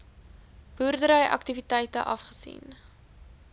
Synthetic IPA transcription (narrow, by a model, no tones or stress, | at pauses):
b̥urdəɾəjʔɐ̰k̚tivitɛjtə̰ʔɐfχə̥sḭn